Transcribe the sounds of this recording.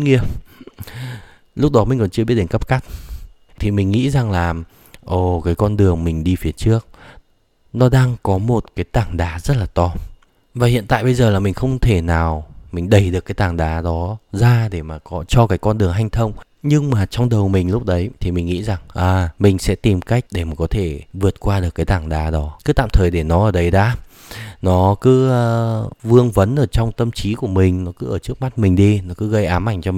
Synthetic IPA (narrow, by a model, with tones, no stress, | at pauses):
ŋi˧ə | lʊ˦˥k͡p̚ɗɔ˨˦mï˨˩ŋ̟kɔ˨˩nt͡ɕɨ˧ɓi˦˥ɗe˨˧˦ŋkə˦˥p̚ka˦˥jk̚ | t̪ʰi˨˩mï˨˩ŋ̟ŋḭ˧˥za˨˩ŋlaː˨˩ | ʔo˧˩kaː˨˦jkɔ˧nɗɨ˨˩əŋmï˨˩ŋ̟ɗi˧fi˨˦ət͡ɕɨ˦˥ək̚ | nɔ˨˦ɗaː˧ŋkɔ˨˦mo˨˩t̚kaː˨˦jt̪aː˧˨˩ŋɗaː˨˦zə˦˥t̚laː˨˩t̪ɔ˧ | vaː˨˩hḭ˧˨ənt̪a̰ː˧˨jɓə˧jzəː˨˩laː˨˩mï˨˩ŋ̟xə˧wŋ͡mt̪ʰe˧˩naː˨˩wmï˨˩ŋ̟ɗə˨˧˩jɗɨ˨˩əkːaː˨˦jt̪aː˨˩ŋɗaː˨˦ɗɔ˨˦zaː˧ɗe˧˩maː˨˩kɔ˨˦t͡ɕɔ˧kaː˨˦˥jkːɔ˧nɗɨ˨˩əŋɦa˧jŋ̟t̪ʰə˧wŋ͡m | ɲɨ˧ŋmaː˨˩t͡ɕɔ˧wŋ͡mɗə˨˩wmï˨˩ŋ̟lʊ˦˥k͡p̚ɗə˨˦jt̪ʰi˨˩mï˨˩ŋ̟ŋḭ˧˥za˨˩ŋʔaː˨˩mï˨˩ŋ̟sɛ̰˧˥t̪i˨˩mka˦˥jk̟̚ɗe˧˩maː˨˩kɔ˨˦t̪ʰe˧˩vɨ˨˩ət̚kwaː˧ɗɨ˨˩əkːaː˨˦jt̪aː˧˩ŋɗaː˨˦ɗɔ˨˦kɨ˨˦t̪a̰ː˧˨mt̪ʰəː˨˩jɗe˧˩nɔ˨˦ʔəː˧˩ɗə˨˦jɗaː˨˦ | nɔ˨˦kɨ˨˦˧vɨ˧əŋvə˨˦nʔəː˧˩t͡ɕɔ˧wŋ͡mt̪ə˧mt͡ɕi˨˦ku˧˩əmï˨˩ŋ̟nɔ˨˦kɨ˨˦ʔəː˧˩t͡ɕɨ˦˥ək̚ma˦˥t̚mï˨˩ŋ̟ɗi˧nɔ˨˦kɨ˨˦ɣə˧jʔaː˨˦mʔa˧˩jŋ̟t͡ɕɔ˧˨